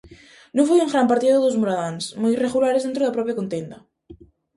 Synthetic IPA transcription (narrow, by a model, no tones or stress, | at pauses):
nõfojeŋɣɾampaɾt̪iðaðoðozmoɾaðansmojreɣulaɾezðent̪ɾoðapɾɔpjakont̪end̪a